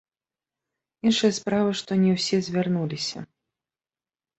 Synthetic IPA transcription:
inʂɨjɐspɾavɨʂt̪ɔnʲɛwsʲɛzʲvʲarnulʲisʲɐ̰

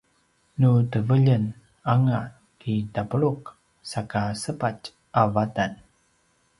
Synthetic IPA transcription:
nutəvəʎən | aŋa | kitapəɭuq | sakasəpat͡ʃ | ʔavatan

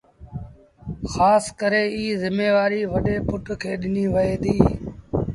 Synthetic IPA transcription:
xaːskəɾeːiːzɪmeːʋaːɾiːʋəɗeːpʊʈkʰeːɗɪniːʋəeːd̪iː

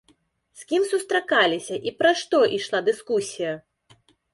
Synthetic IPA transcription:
skʲimsust̪ɾakalʲisʲɐʔipɾaʂt̪ɔʔiʂlˠad̪ɨskusʲijɐ

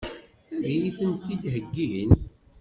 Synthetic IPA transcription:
ðijiθənt̪iðɦəɡːiən

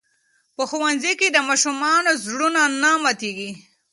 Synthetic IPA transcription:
pəxuwanziked̪əmɑʃumɑnozɽunanamat̪eɡi

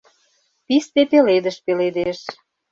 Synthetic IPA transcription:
pist̪epeled̪əʃpeled̪eʃ

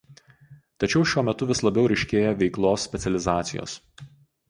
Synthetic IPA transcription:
t̪ɐt͡ʃʲɛʊʃʲuɔmʲɛt̪ʊʋʲɪslˠɐbʲɛʊɾʲɛɪʃʲkʲeːjɛʋʲɛɪklˠoːsːʲpʲɛt̪sʲɛlʲɪzɑːt̪sʲɪ̰jo̰ːs

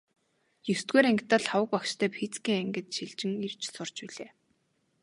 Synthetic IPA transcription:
jɵst̪ɡuːɾæŋkʰt̪əːɮχawə̆k̚pɔkʃt̪ʰœːpʰit͡skiːŋæŋɡɘ̆t̪ʃiɮt͡ɕɪ̆ŋirt͡ɕsʊr̥t͡ɕpiɮeː

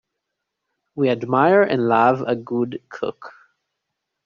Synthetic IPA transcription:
wiɨdmaɪə˞ʔɨ̰̃nlavəɡʊdkʰʊ̰k

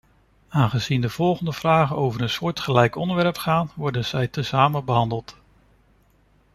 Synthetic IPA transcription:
aːnχəzindəv̥ɔlˠχəndəv̥raːχənowvəɾənsʊːɹtχəlɛjkɔndəɹʋɛɹpχaːnʋɔɹdənz̥ɛjtəsaːmənbəɦɑndəlˠt

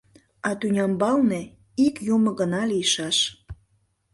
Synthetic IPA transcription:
ɑt̪ynʲɑmbɑlne | ikjumə̆ɣənɑlijəʃɑʃ

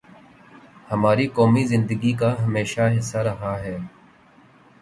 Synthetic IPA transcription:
həmaːɾiːkɔːmiːzɪ̃nd̪əɡiːkaːɦəmeːʃaːɦɪsːaːɾəɦaːɦɛː

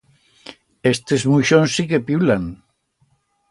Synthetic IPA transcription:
est̪ezmuʃonsikepjulaŋ

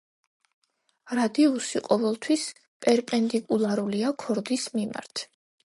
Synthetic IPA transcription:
ɾad̪iusiqʼɔvɛlˠt̪ʰwis | pʼɛɾpʼɛnd̪ikʼulˠaɾuliakʰɔɾd̪ismima̰ɾt̪ʰ

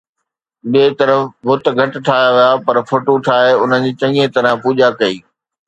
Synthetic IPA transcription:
ɓiːt̪ɐɾəfʋʊt̪̆ɡʱɐʈɪ̆ʈʰaːɦjaʋijapɐɾfoːʈoʈʰaːeʊnəd͡ʑiːt͡ɕɐ̃iẽt̪ɐɾə̃puːʄakɐiː

